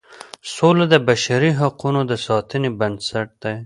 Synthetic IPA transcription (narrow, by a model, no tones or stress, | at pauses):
solad̪əbaʃaɾiɦaqunod̪əsɑt̪ənibansaʈ̚d̪̥aj